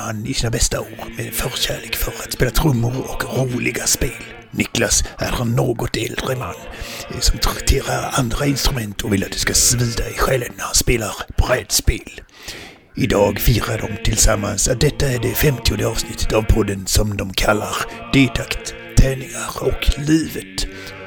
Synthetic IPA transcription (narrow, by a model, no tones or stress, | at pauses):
hanɪsiːnabɛst̪aoːɾmɛfœɾɕæːɭeːkfœɾat̪speːlat̪ʰɾɵmːʊɾɔkɾuːlɪɡaspeːl | nɪklasæɾhanːoːɡɔt̪ɛld̪ɾəma̰nːsɔmt̪ʰɾɛt̪ʰeːɾaɾand̪ɾaɪnst̪ɾɵmɛnt̪ʰɔvɪlːat̪̚d̪̥ɵ̥skasvʉːd̪aɛɪɧɛlvnæɾhanspeːlaɾb̥ɾɛd̪speːl | ɪd̪ɑːɡfiːɾaɖɔmt̪ʰɪlsamːansat̪̚d̪ɛt̪ːaæɖɛfɛmt̪ʰɪjʊnd̪əɑːvsnɪt̪ʰːə̥t̪avpʰɔd̪ənsɔmd̪ɔmkʰalːaɾ | d̪̥eːd̪akt̪ʰː | ɛːnɪŋaɾɔkliːvət̪